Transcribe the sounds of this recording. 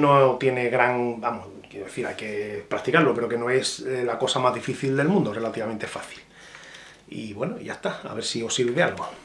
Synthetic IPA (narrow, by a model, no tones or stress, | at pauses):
not̪je̞ne̞ɣɾaŋbamoskjeɾoðe̞θiɾa̰jke̞pɾakt̪ikaɾlope̞ɾo̞ke̞no̞e̞slako̞samazðifiθild̪e̞lmũnd̪ore̞lat̪iβament̪efaθi̥l | ḭβwe̞noḭʝa̰st̪aa̰βe̞ɾsiosiɾβiðea̰lɣo